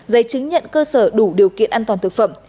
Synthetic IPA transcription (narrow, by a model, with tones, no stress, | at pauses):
zə˨˦jt͡ɕɨ˨˦ŋɲə̰˧˨nkəː˧səː˧˩ɗu˧˩ɗi˨˩əwkḭ˧˨ənʔaː˧nt̪waː˨˩nt̪ɨ˨˩k̚fə˧˩m